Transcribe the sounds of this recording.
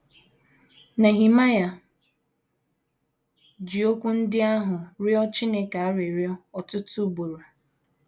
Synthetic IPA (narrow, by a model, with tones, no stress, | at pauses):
na˨ɦi˨ma˦ja˨ | d͡ʒi˨o˦kʷu˦n̩˦dɪ˦a˦ɦʊ˨ɾɪ˦ɔ˦t͡ʃi˦ne˦ka˨a˦ɾɪ˨ɾɪ˦ɔ˦ɔ˨tʊ˦tʊ˦bo˨ɾo˨